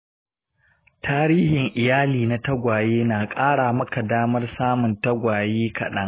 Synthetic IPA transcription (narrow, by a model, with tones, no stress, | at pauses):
taː˦ɾiː˦hɪ˨ŋʔɪ˨jaː˦liː˨na˦tɐ˦ɡʷaː˨jeː˦naː˨kʼaː˦ɽaː˨mɐ˦ka˨daː˦mɐ˦rsaː˦mʊ˨ntɐ˦ɡʷaː˨jeː˦kɐ̰˨ɗɐ˦ŋ